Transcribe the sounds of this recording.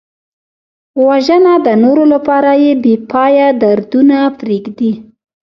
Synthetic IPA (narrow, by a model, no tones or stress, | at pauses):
waʒənad̪ənoɾolapɑɾajebepʰɑjad̪aɾd̪unafɾikd̪i